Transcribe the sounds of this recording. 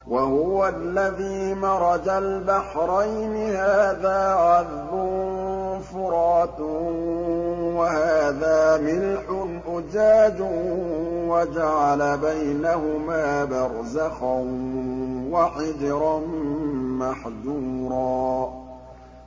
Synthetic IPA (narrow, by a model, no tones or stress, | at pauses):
wahʊwalːaðiːmɑɾˤɑd͡ʒalbaħɾˤajnɪhaːðaːʕað | bʊ | fʊɾɑːt̪ | wahaaːðaːmɪlħʊnʔʊd͡ʒaːd͡ʒʊ | wad͡ʒaʕalabajnahʊmaːbɑɾˤzaxan | waʕɪd͡ʒɾˤɑnmaħd̪uːɾˤɑː